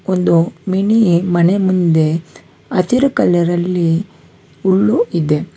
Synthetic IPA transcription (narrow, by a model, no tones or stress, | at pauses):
ond̪umiɳimɐnemund̪e̞ | ɐt̪iɾukɐlːɛɾɐlːi | uɭːuʔid̪e̞